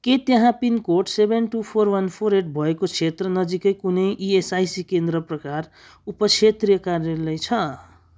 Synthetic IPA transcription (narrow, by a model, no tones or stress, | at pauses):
ket̪jʌɦãpinkoʈsebʱenʈupʰorwʌnpʰoɾeʈ̚bʱʌekot͡sʰet̪rʌnʌd͡zikʌjkunʌjʔiesajsikend̪ɾʌprʌkar | upʌt͡sʰet̪rijʌkarʌlʌjt͡sʰʌ